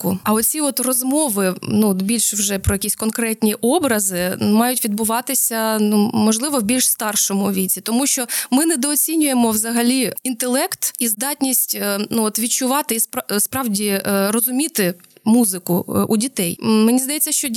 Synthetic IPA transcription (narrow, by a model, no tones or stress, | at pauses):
kʊɐɔt̪t͡sʲiɔt̪rɔzmɔʋɪnuɔt̪bʲilʲʃwʒɛpɾɔjɐkʲisʲkɔnkɾɛtʲnʲiʔɔbɾɐzɪmɑjʊtʲʋʲid̪bʊʋɑt̪ɪsʲɐnumɔʒlˠɪʋɔwbʲilʲʃst̪ɑrʃɔmʊʋʲit͡sʲit̪ɔmuʃt͡ʃɔmɪnɛd̪ɔːt͡sʲinʲʊjemɔwzɐɦɐlʲiint̪elˠɛkt̪izd̪ɑtʲnʲisʲtʲnuɔt̪ʋʲit͡ʃʊʋɑt̪ɪispspɾɑʋdʲirɔzʊmʲit̪ɪ | muzɪkʊʔudʲit̪ɛjmenʲizd̪ɐjɛt͡sʲːɐʃt͡ʃɔ